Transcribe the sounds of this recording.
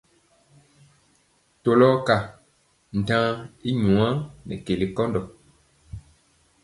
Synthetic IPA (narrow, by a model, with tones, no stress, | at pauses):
to˨lɔ˦ka˨ | n̩˨tãː˦i˦ɲũ˨ã˦nɛ̰˨ke˨li˨kɔ˦ndɔ˨